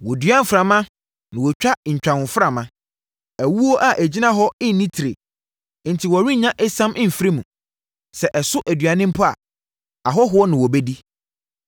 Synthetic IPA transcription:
wɔ˨dɥã˦n˦fɾa˨mã˦ | nɪ̃˨wɔ˨t͡ɕᶣa˦ɲ̩˨t͡ɕᶣã˨nʊ̃˨fɾa˨mã˦ | æ˨wu˦o˦ʔa˨ʔæ˨d͡ʑi˦nã˦ɦɔ˦ɪ˦n˨nːĩ˦tʰi˨ɾḛ˨˦ | n̩˨tʰi˨wɔ˨ɾi˦ɲã˦ʔɛ˦sã˦mʔɪ̃˦˨fɾe˦mũ˨ | sɛ˨ʔɛ˨sʊ˦ʔæ˨dɥa˨nɪ̃˦m̩˦pʰʊ˦a̰˨ | a˨ɦɔ˦ɦʊ˨˦ɔ˦nɪ̃˨wɔ˨be˦di˦

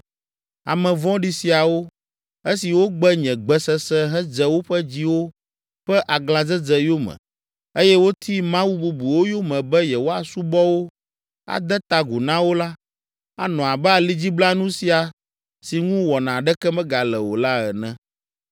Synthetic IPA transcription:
a̰˨mɛ̃˨vɔ̃˦ɖi˦si˨a˨wo˦ | e˦si˨wo˦ɡ͡bɛ˦ɲɛ̃˨ɡ͡bɛ˨sɛ˦sɛ˦ɦɛ˦d͡zɛ˦wo˦ɸɛ˦d͡ʑi˦wo˦ | ɸɛ˦ʔa˨ɡlã˨d͡zɛ˦d͡zɛ˨jo˦mɛ̰̃˨ | e˦jɛ˦wo˦t̪ʰi˦mã˦wu˦bu˨bu˨wo˦jo˦mɛ̃˨bɛ˦jɛ˨wo˦a˨su˦bɔ˦wo˦ | a̰˨d̪ɛ˦t̪a˨ɡu˨nã˦wo˦la˦ | a̰˨nɔ̃˨a˨bɛ˦a˨li˦d͡ʑi˦bla˦nũ˦si˨a˨ | si˨ŋũ˦wɔ˨nã˨ɖɛ˦kɛ˦mɛ̃˦ɡa˨lɛ˨wo̰˨la˦ɛ˨nɛ̰̃˦

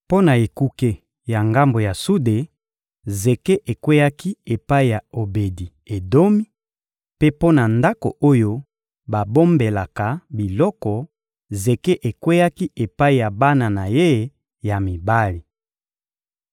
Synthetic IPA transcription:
po˦na˨e˨ku˦ke˦ | ja˨ŋɡa˦mbo˨ja˨su˦de˨ | ze˨ke˦ʔe˨kwɛe˦ja˦ki˦e˨pa˦i˨ja˨o˨be˨di˨ | e˨do˦mi˦ | pe˦po˦na˨nda˦ko̰˨o˦jo˦ | ba˨bo˦mbe˨la˨ka˨bi˨lɔ˦kɔ˨ | ze˨ke˦ʔe˨kwɛ˦ja˦ki˦ʔe˨pa˦i˨ja˨ba˦na˨na˨je˦ | ja˨mi˨ba˦li˨

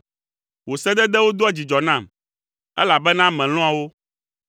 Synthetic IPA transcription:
wo˨sɛ˦d̪ɛ˦d̪ɛ˦wo˦d̪o˦a˦d͡ʑi˨d͡ʒɔ˨nã˦˨m | ɛ̰˦la˨bɛ˦nã˦mɛ̃˨lɔ̃˦a˨wo˦

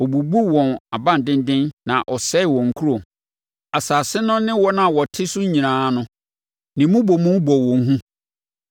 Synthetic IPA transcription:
ɔ˨bu˨bu˦wɔ̃˨na˨bã˦n˨dɪ̃˦n˦dɪ̃˦nːnã˨ʔɔ˨sɛ˦ɪ˨wɔ̃˨ŋ̩˨kʰu˦ɾo˨ | a˨saː˨sɪ˦nʊ̃˦nɪ̃˦wɔ˦nã˨wɔ˨tʰɪ˦sʊ˦ɲĩ˨nãː˨˦nʊ̃˦ | nɪ̃˨mʊ̃˦bɔ˨mũ˦m˦bɔ˨wɔ̃˨ŋ˦ɦũ˦

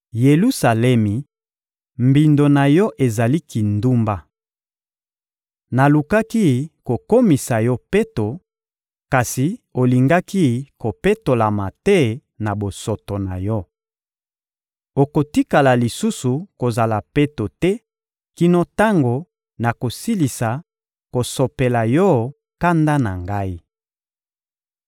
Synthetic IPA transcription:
je˨lu˦sa˨lɛ˦mi˨ | mbi˨ndo˨na˨jɔ˦ʔe˨za˨li˦ki˨ndu˦mba˦ | na˨lu˨ka˦ki˦ko˨ko˦mi˨sa˨jɔ˦pe˦to˨ | ka˨si˨o˨li˨ŋɡa˦ki˦ko˨pe˦to˨la˨ma˨tɛ˦ | na˨bo˨so˨to˨na̰˨jɔ˦ | o˨ko˨ti˦ka˨la˨li˨su˦su˨ko˨za˨la˨pe˦to˨tɛ˦ | ki˦no˦ta˦ŋɡo˨ | na˨ko˨si˦li˨sa˨ | ko˨so˨pe˨la˨jɔ˦ | ka˦nda˦na̰˨ŋɡa˦i˦

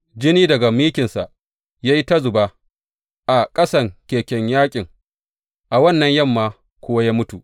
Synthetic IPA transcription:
d͡ʒɪ˦niː˦dɐ˨ɡa˨miː˦kʲɪ˨nsa˨ʔ | ja˦ji˦tɐ˦zʊ˨baː˦ | ʔa˨kʼɐ˦sɐ˨ŋkʲeː˨kʲɛ˨ɲjaː˦kʲʼɪ˨ŋ | ʔa˨wɐ˦˨nːɐ˨ɲjɐ˦˨mːaː˨ | kʷʊ˦wa˦jaː˦mʊ˦tu˨ʔ

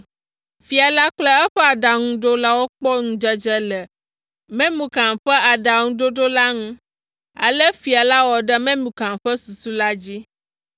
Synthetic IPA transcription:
fi˨a˨la˦k͡plɛ˦ɛ˦ɸɛ˦a˨ɖa˨ŋũ˦ɖo˦la˦wo˦k͡pɔ˦ŋũ˨d͡ʒɛ˦d͡ʒɛ˦lɛ˨ | mɛ̃˦mũ˨kã˨mɸɛ˦a˨ɖa˨ŋũ˦ɖo˦ɖo˦la˦ŋũ˦ | a̰˨lɛ˦fi˨a˨la˦wɔ˨ɖɛ˦mɛ̃˦mũ˨kã˨mɸɛ˦su˨su˦la˦d͡ʑi˦

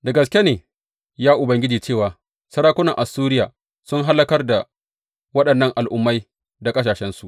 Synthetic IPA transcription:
dɐ˨ɡɐ˨skʲe˦neː˨ | jaː˦ʔʊ˨bɐ˨ŋɡʲɪ˦d͡ʒiː˨t͡ʃeː˦˨waː˨ | sɐ˦ɾaː˦kʷʊ˦nɐ˨ŋʔa˨suː˦ɾɪ˦jaː˨ | sʊ˦ŋɦa˦lːɐ˦kɐ˦rda˨ | wɐ˦ɗɐ˨nːɐ˦ŋʔa˨lʔʊ˦mːa˦j | da˨kʼɐ˦s̬aː˨ʃɛ˦nsu˨ʔ

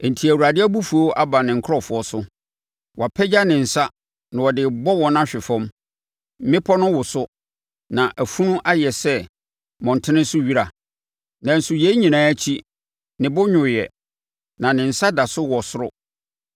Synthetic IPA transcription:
n̩˨tʰi˨æ˨wu˨ɾa˨dɪ˦a˦bu˦fu˨o˦ʔa˦ba˨nɪ̃˨ŋ̩˨kʰɾɔ˦fʊ˨ɔ˦sʊ˦ | wʔa˨pʰɛ˦d͡ʑa˦nɪ̃˨n̩˨sa˦ | nã˨wɔ˨dɪ˨bɔ˦wɔ̃˨nã˦ɕᶣɪ˨fɔ̃˦m˦ | mɪ̃˦pʰɔ˦nʊ̃˦wʊ˨sʊ˦ | nã˨ʔæ˨fũ˦nũ˦ʔa˦jɛ˨sɛ˦ | mɔ̃˨n̩˨tʰɪ˦nɪ̃˦sʊ˦ɥi˦ɾa˨ | nã˨n̩˨sʊ˨je˦i˦ɲĩ˨nãː˦t͡ɕʰi˦ | nɪ̃˨bʊ˦ɲʊ̃˨jɛ˨ | nã˨nɪ̃˨n̩˨sa˦da˨sʊ˦wɔ˨sʊ˦ɾʊ˦

